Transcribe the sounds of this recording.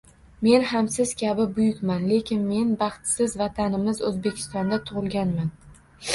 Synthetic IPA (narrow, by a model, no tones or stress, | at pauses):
me̞nhamsɪz̥kʲʰabɪbʊjʊkʲmanle̞kʲʰɪnme̞nbɑχt̪sɪzvat̪ʰanɪmɪzɵzbe̞kʲʰɪ̥st̪ɒnd̪at̪ʰʊʁɨlˠɡʲanman